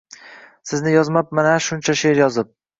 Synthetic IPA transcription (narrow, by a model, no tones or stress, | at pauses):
sɪznɪjɒzmap̚manaʃʊnt͡ʃʰaʃe̞ɾjɒzɪp̚